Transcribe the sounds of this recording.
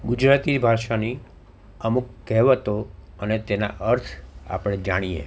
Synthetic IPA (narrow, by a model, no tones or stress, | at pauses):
ɡud͡ʒɾat̪ibʱaʃani | əmukːɛɦʋət̪o | ənet̪ena̰ʔəɾt̪ʰa̰pɽ̃ed͡ʒaɽ̃iḛ